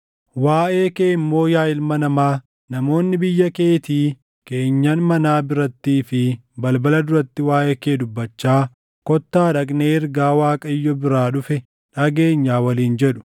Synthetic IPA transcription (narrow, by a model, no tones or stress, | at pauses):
waːʔeːkeːɪmːo̞ːjaːɪlmɐnɐmaː | nɐmo̞ːnːɪbɪjːɐke̞ːt̪iː | ke̞ːɲːɐnmɐnaːbɪɾɐt̪ːiːfɪbɐlbɐlɐd̪ʊɾɐt̪ːɪwaːʔeːkeːd̪ʊbːɐt͡ʃːaː | kɔt̪ːaːᶑɐkʼneːɪɾɡaːwaːkʼɐɪjːɔbɪɾaːᶑʊfɛ | ᶑɐɡe̞ːɲːaːwɐliːnd͡ʒɛᶑʊ̥